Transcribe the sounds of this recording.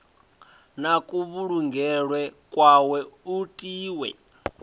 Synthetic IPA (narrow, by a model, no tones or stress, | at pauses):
nakʼuβuɺuŋɡʱɛɺwɛkʼwawɛutʼiːwɛ̰